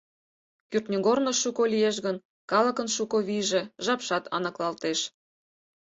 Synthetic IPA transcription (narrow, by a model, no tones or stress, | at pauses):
kyrt̪nʲyɣornoʃukolijeʃ̬ɣən | kɑlə̆kənʃukoβiʒe̽ʒɑpʃɑt̪ʰɑ̰nɤ̆klɑlt̪eʃ